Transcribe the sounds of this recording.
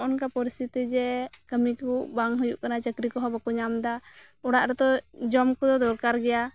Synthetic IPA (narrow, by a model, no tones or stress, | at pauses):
ʔɔnkapɔɾist̪ʰit̪id͡ʒɛkəmikuʔbaŋɦujuʔkanat͡ʃəkɾikɔɦɔbakuɲamd̪a | ɔɽaʔɾɛt̪ɔd͡ʒɔmkɔd̪ɔd̪ɔɾkaɾɡɛja